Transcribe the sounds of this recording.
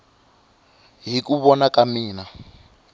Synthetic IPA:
ɦikuβɔnakamiːna

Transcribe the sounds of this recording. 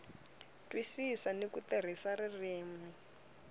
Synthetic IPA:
twisisanikut̪er̤isaririːmwi

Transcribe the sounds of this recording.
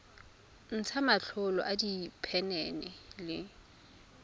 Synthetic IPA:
n̩t͡sʰamaɬʰʊlɔ̰ʔadipʰɛnɛnɛlɪ

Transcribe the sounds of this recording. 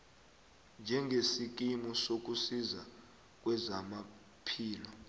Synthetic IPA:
nd͡ʒʱɛŋɡʱesik̬ʼimɔsok̬usiza | k̬ʼwɛzama | pʰiːlɔ

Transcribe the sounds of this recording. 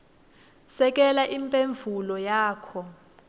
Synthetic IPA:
sɛk̬ʼɛlaʔimpʼeɱvʱulɔjaːkʰɔ

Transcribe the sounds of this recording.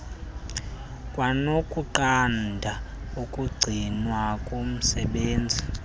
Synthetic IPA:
kʼwanokʼuǃandʱa | ukʼuɡ͡ǀʱinwakʼom̩sɛɓeːnd͡zʱi

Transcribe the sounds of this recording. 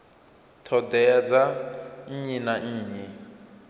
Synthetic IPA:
tʰɔdɛjad͡zaɲ̩ɲinaɲ̩ːɲɛ

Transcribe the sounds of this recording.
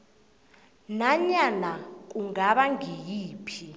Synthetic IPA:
naɲanak̬ʼuŋaɓaŋʱijiːpʰi

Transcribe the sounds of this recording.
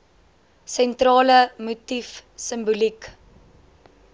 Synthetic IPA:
sɛntrɑːləmutifsəmbulik

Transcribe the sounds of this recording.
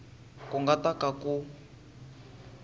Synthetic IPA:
kuŋɡatakaku

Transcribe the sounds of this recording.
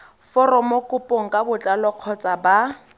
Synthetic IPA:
fɔrɔmokʼʊpʼoŋ̩kʼabʊt͡ɬʼalɔq͡χʰɔt͡sʼaba

